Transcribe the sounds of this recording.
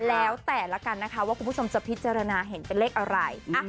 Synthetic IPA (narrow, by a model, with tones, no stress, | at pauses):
lɛː˦˥wt̪ɛː˨˩la˦˥ka˧nːa˦˥kʰa˦˥waː˥˩u˧npʰo˧mt͡ɕa˨˩pʰi˦˥t̪̚t͡ɕaː˧ɾa˧naː˧ɦe˩˦npe˧nleː˥˩k̚ʔa˧ɾa˧jʔa˥˩